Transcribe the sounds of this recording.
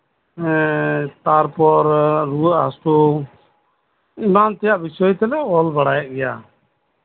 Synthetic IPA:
t̪aɾpɔɾɾuəʔɦasʈu | imant̪ɛjaʔbisɔjt̪ɛlɛʔɔlbaɽajɛʔ̚ɡɛja̰

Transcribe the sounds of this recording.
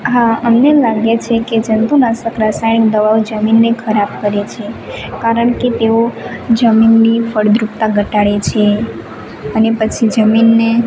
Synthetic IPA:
ɦãəmnelaɡet͡ʃʰeked͡ʒənt̪unasəkɾasajnikd̪əʋaʋd͡ʒəminːekʰəɾab̚kəɾet͡ʃʰekaɾəɳket̪eod͡ʒəminːifəɽd̪ɾupt̪aɡʱəʈaɽet͡ʃʰe | ənepət͡ʃʰid͡ʒəminːe

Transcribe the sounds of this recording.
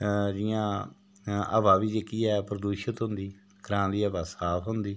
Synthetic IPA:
d͡ʒɪjãː | ə̰baːbiːd͡ʒeːkiːɛːpɾəd̪uːʃət̪ɦʊ̃nd̪iː | ɡɾãːnd̪iːəbaːsaːpʰɦʊnd̪iː

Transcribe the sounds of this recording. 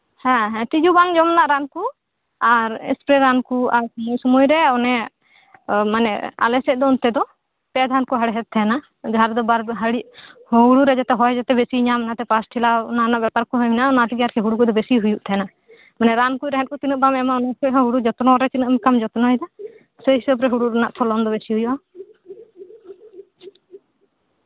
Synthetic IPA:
hɛ̃ɦɛ̃t̪id͡ʒubaŋd͡ʒɔmnaʔɾanku | aɾɛ̰spɾɛɾankuaɾsɔmɔjsɔmujɾɛɔnɛ | manɛ̰a̰lɛsɛt̚ˀd̪ɔɔnt̪ɛd̪ɔ | pɛd̪ʱankɔɦaɽɦɛt̪̚t̪ʰːɛna | d͡ʒɦaɾd̪ɔbaɾɦaɽiʔuɽuɾɛd͡ʒat̪ɛɦɔjd͡ʒat̪ɛbesiɲamnat̪ɛpasʈʰilananaʔbjapaɾkɔɦɔjmɛnaɔnatiɡaɾkʰɛɦuɽukɔd̪ɔbesiɦujuʔt̪ʰɛna | manɛɾankujɾɛɦɛt̚kɔt̪inɔʔ̚bamɛmaɔnakɔɦɔɦuɽud͡ʒɔt̪nɔɾɛt͡ʃinmkamd͡ʒɔt̪nɔɛd̪a | səisɔpɾɛɦuɽuɾanaʔt̪ʰɔlɔnd̪ɔbesiɦujuʔa

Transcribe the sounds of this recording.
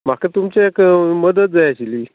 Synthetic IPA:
m̤akat̪umt͡ɕeekməd̪ət̪̚d͡zajaɕiliː

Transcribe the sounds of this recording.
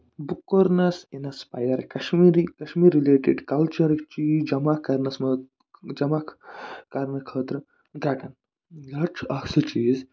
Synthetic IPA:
bukːoɾnɐsinɐspa̰jɐɾkɐʃmiɾikɐʃmiːɾːileːʈḭɖkɐlt͡ʃɐɾkt͡ʃiːd͡ʒɐmakːɐɾnɐsmɐ | d͡ʒɐmakʰkɐɾnɐkʰəːt̪ɾɨ | ɡɐɡɐn | ɡɐt͡ʃʰɐksɨt͡ʃiːz

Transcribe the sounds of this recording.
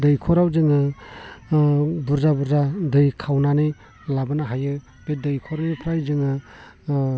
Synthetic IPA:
dɯjkʰɔɾawzɯŋɯ | buɾzabuɾzadɯjkʰawnanɯj | labɯnaɦajɯ | b̥edɯjkʰɔɾɯjpʰɾajzɯŋɯ

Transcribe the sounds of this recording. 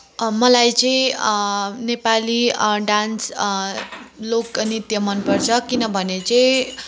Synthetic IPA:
mʌlajt͡sʌĩ | nepaliɖans | loknit̪jʌmʌnpʌrt͡sʰʌkinʌbʱʌnet͡sʌĩ

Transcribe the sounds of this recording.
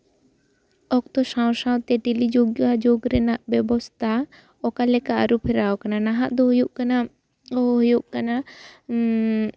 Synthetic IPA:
ɔk̚t̪ɔsãw̃saw̃t̪ɛʈilid͡ʒoɡjɔwad͡ʒoɡɾɛnaʔbɛbɔst̪ʰa | ɔkalɛkaʔaɾupʰɛɾawkananaɦaʔd̪ɔɦujuʔkana | ɦujuʔkana

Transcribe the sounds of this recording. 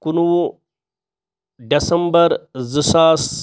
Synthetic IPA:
kunuwu | ɖɐsɐmbɐɾzɨsaːs

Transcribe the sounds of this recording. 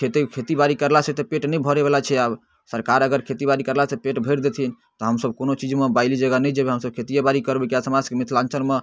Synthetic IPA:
kʰet̪ikʰet̪ibaɾikəɾlaset̪ɔpeʈnɛjbʱɔɾebelat͡ʃʰɛab | səɾkaɾəɡəɾkʰet̪ibaɾikəɾlasepeʈbʱəjɾd̪et̪ʰin | t̪ɔɦəmsəbkonot͡ʃid͡ʒmebaɪlid͡ʒəɡanɛd͡ʒebeɦəmsəb̚kʰet̪ijabaɾikəɾbekijasəmad͡ʒkemit̪ʰlãnt͡ʃəlme

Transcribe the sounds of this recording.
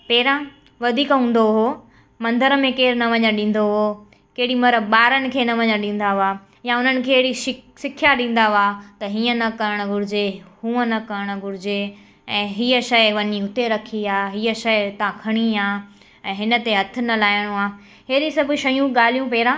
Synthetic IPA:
peːɾã | ʋɐd̪ʱiːkɦũːn̆d̪oɦo | mɐ̃nd̪əɾəmẽkeːɾnɐʋɐɲəɗĩːn̆d̪oɦo | keɦɪɽimɐɾəbɓaːɾənɪ̆kʰeːnɐʋɐɲəɗĩːn̆d̪aaː | jaʊn̤ənɪ̆kʰeːɽiʃɪsɪkʰjaɗĩːn̆d̪aat̪ɐɦiːə̃nɐkɐɾəɽ̃ə̆ɡʊɾɪd͡ʑehũːənɐkɐɾəɽ̃ɡʱʊɾɪd͡ʑe | ɛ̃ːɦiːəʃɐʋɐɲiʊt̪eɾɐkʰiaːɦiːəʃɐɪt̪ɐãkʰɐɽ̃iaː | ɛ̃ːɦɪnə̆t̪eɦɐt̪ʰɪ̆nɐlaːɪɽ̃ũaː | ɦeːɗisɐbʱʊ̆ʃɐjũɠaːl̤ijũpɛːɾãː

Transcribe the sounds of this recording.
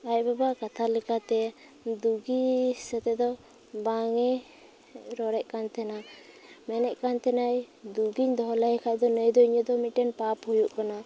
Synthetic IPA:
ac̚babaʔkat̪ʰalɛkat̪ɛ | d̪uɡisət̪ɛd̪ɔ | baŋɛ | ɾɔɾɛʔkant̪ɛna | mɛnɛʔkant̪ɛnaj | d̪uɡiɲd̪ɔɦlajkʰajd̪ɔnəjd̪ɔiɲəd̪ɔmiʈɛnpaphujuʔkana

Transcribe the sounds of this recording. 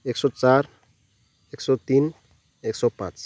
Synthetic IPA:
eksɔt͡ʃaɾ | eksɔt̪in | eksɔpã̰ːt͡ʃ

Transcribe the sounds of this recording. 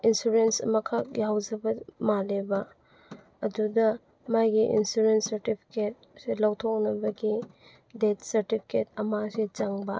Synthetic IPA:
insuɾensɐ̰mɐkʰak̚jawd͡ʒɐbɐmalebɐ | ɐdudɐ | majɡiʔḭnsuɾensɐɾtipʰi̥ket̚selɐwtʰok̚nɐbɐɡi | det̚ʰsɐɾtipʰi̥ketɐmaset͡ʃaŋbɐ

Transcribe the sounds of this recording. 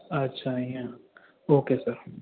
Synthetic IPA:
ɐtːʃʰajãː | oːkeːsɐɾ

